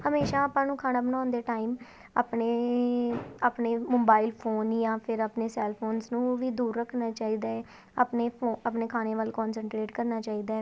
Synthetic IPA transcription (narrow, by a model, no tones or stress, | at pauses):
həmeːʃaːaːpãːnũːkʰaːnaːbənãːnd̪eːʈaːiːm | a̰ːpneː | aːpneːmoːbaːilpʰoːnjãːpʰɪɾaːpneːsɛːlpʰoːnsnũːʋiːd̪uːɾːəkʰnaːt͡ʃaːiːd̪aːɛː | apneːpʰoapneːkʰaːneːʋaːlkɔːnsəɳʈɾeːʈkəɾnaːt͡ʃaːiːd̪aːɛ